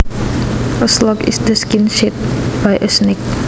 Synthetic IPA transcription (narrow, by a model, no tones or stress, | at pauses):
əslɔkɪ̰sdəskɪ̃nʃɛt̚b̥ajʔəsnɪk